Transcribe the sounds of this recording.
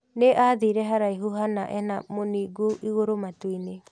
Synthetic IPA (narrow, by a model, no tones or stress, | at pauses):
nɛʔaːdiɾɛɦaɾajɦuɦanaʔɛnamoniɡuʔiɣoɾomatuine